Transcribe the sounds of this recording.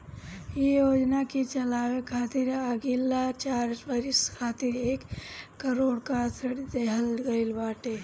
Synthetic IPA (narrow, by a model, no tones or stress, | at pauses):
jejoːd͡ʒnakit͡ʃəlaːwekʰaːt̪iɾəɡilːat͡ʃaːɾbəɾɪskʰaːt̪iɾeːkːəɾoːɽkat̪ʰəɽd̪eɦəlɡəɪlbaːʈe